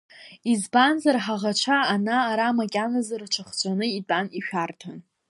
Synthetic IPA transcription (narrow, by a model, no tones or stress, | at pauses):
izbanzarħaʁat͡ʃʷʰaːnaːɾamakʲʼanazarʈ͡ʂʰaχd͡ʒʷʼanɨitʼaniʃᶣartʰan